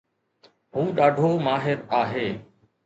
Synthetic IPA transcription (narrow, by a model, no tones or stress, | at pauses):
ɦũːɗaːɖʱomaːɦɪɾaːɦeː